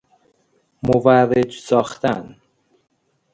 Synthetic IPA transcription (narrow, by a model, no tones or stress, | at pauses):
movæɾed͡ʒsɒːxt̪ʰæn